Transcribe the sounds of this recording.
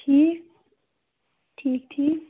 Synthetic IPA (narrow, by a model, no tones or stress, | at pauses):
ʈʰiː | ʈʰiːk̚t̪ʰiː